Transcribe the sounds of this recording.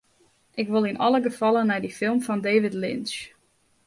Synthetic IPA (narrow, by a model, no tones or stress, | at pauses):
ʔɪkʋɪlˠinʔɑlˠəɡəfɑlˠənɛjdifɪlˠmfɔndeːʋɪtlɪns